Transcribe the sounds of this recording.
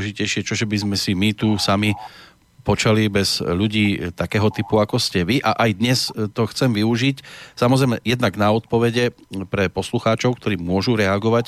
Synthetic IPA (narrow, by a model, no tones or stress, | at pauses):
ʒicɛjʃɪɛt͡ʃɔʒɛbizmɛsimit̪usami | pɔt͡ʃalibɛz̥ʎuɟiːt̪akɛːɦɔt̪ipuakɔscɛʋiʔaʔajd̪ɲɛst̪ɔxt͡sɛmʋiuʒicsamɔzɾɛjmɛjɛd̪naɡnaɔt̪̚pɔʋɛɟɛpɾɛpɔsluxaːt͡ʃɔʊk̚t̪ɔɾiːmʊɔʒuɾɛaɡɔʋac